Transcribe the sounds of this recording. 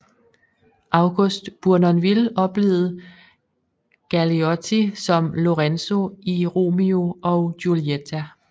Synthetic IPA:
ʔɑ̈ʊɡ̥ɔsd̥b̥uɐnɒnʋilɒ̽b̥le̝̰ːð̩ˠ | ɡ̥æliɒt͡sʰisɒ̽mlo̝ʁenso̝iʁo̝̰mio̝ʔɒʊɡ̥uliet͡sʰæ

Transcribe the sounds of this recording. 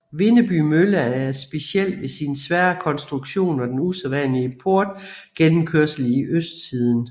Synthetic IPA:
ʋe̝nəb̥y̰mølɐæɐsb̥e̝siel̰d̥ʋe̝sinsʋæɐɐkʰɒ̽nsd̥ʁuɡ̥ɕo̝̰ːnʋɑ̈d̥enuseðˠʋænliəpʰoɐ̰d̥̚ɡ̥enm̩kʰøɐsəliʔøsd̥sið̞ˠn̩

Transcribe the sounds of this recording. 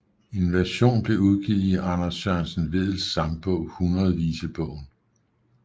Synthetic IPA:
e̝nʋæɐɕo̝̰ːnb̥le̝uð̞ˠɡ̥ið̩̰ˠiʔɑ̈nɐsɶɐnsən̩ʋe̝ð̞̰ˠl̩sːɑ̈mb̥ɔʊ̰hunʁɐð̞ˠʋiːsəb̥ɔʊn

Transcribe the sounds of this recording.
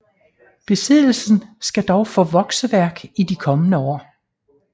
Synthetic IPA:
b̥e̝seð̰ˠl̩sn̩sɡ̥æd̥ɒʊfɔ̽ʋɒ̽ɡ̥səʋæɐ̰ɡ̥idikʰɒ̽mənəɒ̰ː

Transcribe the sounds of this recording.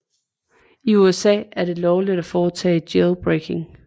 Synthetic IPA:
iuesɛ̰ːæɐɾ̥e̝lɒʊlid̥æfɒːt͡sʰɛ̰ːd̥jelb̥ʁekʰe̝ŋ

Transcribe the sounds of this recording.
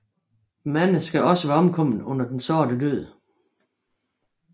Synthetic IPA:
mænəsɡ̥æɒ̽səʋæɐɒ̽mkʰɒ̽m̰n̩ˠɔ̽n̰ɐd̥ensɒːdədøð̰ˠ

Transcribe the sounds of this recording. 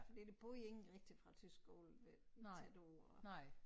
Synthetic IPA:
fɒd̥id̥e̝b̥ʁoie̝ŋn̩ʁeɡ̥̚d̥i̥fʁɑ̈t͡sʰysɡ̥ɡ̥o̰ːl̩ʋet͡sæd̥o̝ɒ

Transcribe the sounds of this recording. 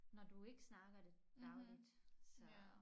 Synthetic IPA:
nɒd̥ue̝ɡ̥əsnɑ̈ɡ̥ɐd̥e̝ | d̥ɑ̈ʊlid̥sɒ

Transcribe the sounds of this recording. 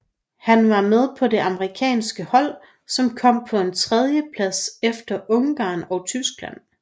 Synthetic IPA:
hænʋɑ̈með̞ˠpʰɒ̽de̝ʔɑ̈məʁikʰɛ̰ːnsɡ̥əhɒ̽l̰ | sɒ̽mkʰɒ̽m̰pʰɒ̽e̝nt͡sʰʁɛð̞ˠjəpʰlæsefd̥ɐʔɔ̽ŋɡ̥ɑ̰̈ːnɒ̽ʊt͡sʰysɡ̥læ̰n̰

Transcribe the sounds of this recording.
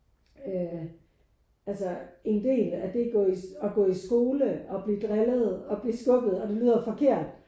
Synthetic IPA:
ø | ælsəe̝nd̥e̝̰ːlæd̥e̝ɡ̥ɔ̰ːisɒ̽ɡ̥ɔ̰̽ːisɡ̥o̝ːləɒ̽b̥lid̥ʁɛlð̞̩ˠɒ̽b̥liːsɡ̥ɔ̽ɡ̥ð̩ˠɒ̽d̥e̝ly̰ːð̰ˠɐfɒ̽kʰe̝̰ɐ̰d̥

